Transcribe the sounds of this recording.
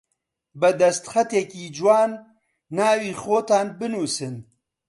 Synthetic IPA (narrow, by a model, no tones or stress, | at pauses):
bɛd̪ɐst̪xɛt̪ɛkiːd͡ʒwaːnː | aːwiːxoːt̪aːnbɨnuːsɨn